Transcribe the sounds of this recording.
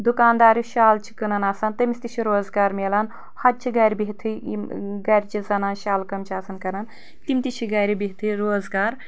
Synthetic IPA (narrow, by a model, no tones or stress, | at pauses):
d̪ukaːnd̪aːɾiʃaːlt͡ʃʰi̥kɐnɐnaːsɐːnt̪ɐmisʲt̪it͡ʃʰiɾoːzɡaːɾmeːlan | hɐd̪̚t͡ʃʰiɡɐːɾibiɦt̪ʰɨɡɐɾʲit͡ʃʰizɐnaːnʃaːlkɐmt͡ʃʰiaːsɐnkɐnɐn | t̪imt̪it͡ʃʰiɡɐːjɾibiɦit̪ʰɨɾoːzɡaːɾ